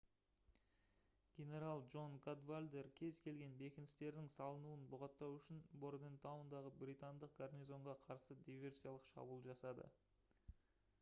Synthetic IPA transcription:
ɡʲe̞ne̞ɾalˠʒo̞nɡad̪valʲd̪e̞rkʲʰe̞zkʲʰe̞lɡʲe̞nbe̞kʲɪnɪst̪e̞ɾd̪ɪŋsɑlˠənuənbʊʁɑt̪ːɑwʏʃɪnboɾd̪ent̪awnd̪ɑʁəbrijt̪and̪əq̚ɡ̥arnʲijzo̞ɴʁɑqʰɑɾsəd̪ijvʲe̞rsijalˠəqʃɑ̰bulˠʒɑsɑd̪ə̰

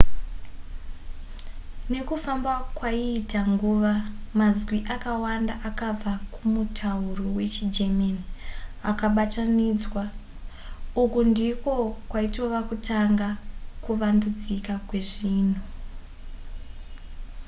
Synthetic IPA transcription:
ne̞kufambakwaiːtaŋɡuʋamazwiʔakawanda̰ʔakab͡vakumutʰaurowe̞t͡ʃid͡ʒemeniakaɓataniːd͡zwa | ukundiko̞kwaito̞ʋakutaŋɡakuʋandud͡zikakwe̞ʐiːn̤u

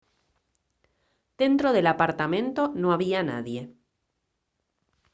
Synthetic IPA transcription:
d̪̥e̞nt̪ɾoðe̞lapaɾt̪amẽ̞nt̪onoaβiana̰ðje̞

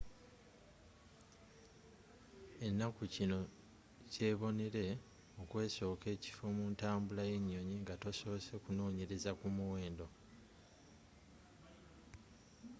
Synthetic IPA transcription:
e̞nːakucino̞ | ce̞ːβo̞neɾe̞ | okwe̞ːso̞ːke̞ːci̥fo̞muntaːmbulaje̞ɲːo̞ɲiŋɡato̞so̞βose̞kuno̞ːɲe̞ɾe̞zakumuwe̞ːndo̞

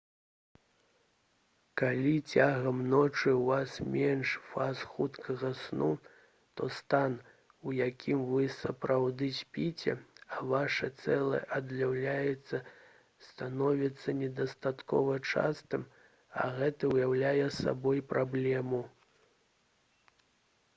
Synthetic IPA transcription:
kalʲit͡sʲaɣɐmnɔt͡ʂɨwvasmʲɛnʂfasxut̪kʰɐɣɐsnu | t̪ɔst̪an | ujakʲʰimvɨsɐpɾʔawd̪ɨsʲpʲit͡sʲɛ̰ɐvaʂɐt̪sɛlˠɐ̰ʔɐd̪lʲawlʲajɛt̪sːɐ | st̪anɔvʲit̪sːɐnʲɛd̪ɐst̪at̪kɔ̰vɐt͡ʂa̰st̪ɨm | ɐ̰ɣɛt̪ɐwjawlʲajɛsa̰bɔjpɾʔablʲɛmu

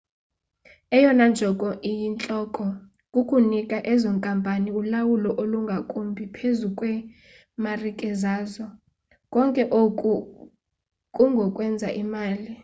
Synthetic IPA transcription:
ɛjɔnand͡ʒʱɔkʼɔʔijint͡ɬʼɔkʼɔ | kʼukʼunikʼaʔɛzɔŋkʼampʼaniulawulɔʔoluŋɡʱakʼumbʱipʰezukʼwɛ | marikʼɛzaːzɔ | kʼɔŋkʼɛʔokʼu | kʼuŋɡʱɔkʼwɛnd͡zʱa̰ʔimaːli

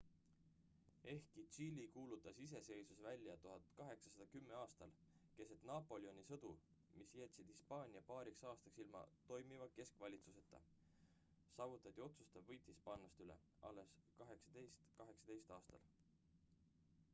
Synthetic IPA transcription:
e̞hkit͡ʃilʲikuːlut̪ːˑɑsis̬e̞se̞jsusvælʲːjɑt̪uɦɑd̪̥kɑɦe̞ksɑ̥sɑd̪̥ɑkymːe̞ɑːst̪ɑlke̞set̪nɑpːˑo̞lʲio̞nʲisɤd̪̥u | misjæt̪ʲsid̪̥hispɑːnʲiɑpɑːɾiksɑːst̪ɑksilmɑ̰t̪ːo̞jmivɑke̞skvɑlʲit̪suse̞t̪ːˑɑ̰ | sɑːvut̪ːˑɑt̪ʲːˑio̞t̪sust̪ɑvvɤjt̪hispɑːnːɑst̪ylḛ | ɑ̰lːe̞skɑɦe̞ksɑ̥d̪̥ejst̪kɑɦe̞ksɑ̥d̪e̞jst̪ɑːst̪ɑ̰l

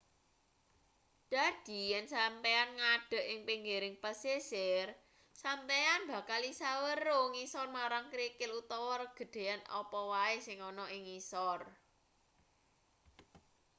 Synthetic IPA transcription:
d̪̥a̤d̪̥i̤jɛnsampeanŋaɖ̥ə̤ʔɪŋpiŋɡeɾɪŋpəsesɪr | sampeanbä̤kalisawəɾoŋisɔrmaɾaŋkɾikɪlut̪ɔwɔrɡ̥ə̤ɖ̪̥e̤anɔ̰pɔwaesɪŋɔnɔʔɪŋisɔr

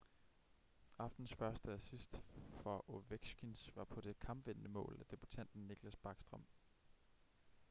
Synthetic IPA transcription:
ɑ̈fd̥n̩sfɶɐsd̥əæsisd̥fɒʔoʋeɡ̥sɡ̥insʋɑ̈pʰɒ̽d̥e̝kʰɑ̈mb̥ʋen̰nəmɔ̰̽ːlæd̥e̝b̥ut͡sʰæn̰d̥n̩ːiɡ̥læsb̥ɑ̈ːɡ̥sd̥ʁɒ̽m̰

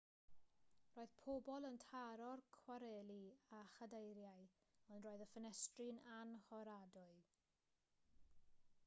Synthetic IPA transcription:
roːɨð̥pʰobɔlˠəntʰaɾɔrkʰwaɾɛlˠiaχadejɾjaj | ɔndroːɨðəfənɛstrɪnanhɔɾadʊɨ

